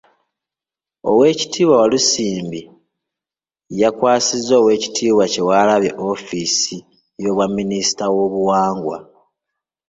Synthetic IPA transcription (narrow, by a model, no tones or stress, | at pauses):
o̰we̞ːci̥tʰiːβwawalusiːmbi | jakwaːsizːo̞ːwe̞ːci̥tʰiːβwace̞walaβje̞ʔo̞fisi | jo̞ːβwamːinisi̥tawo̞βuwaːŋɡwa̰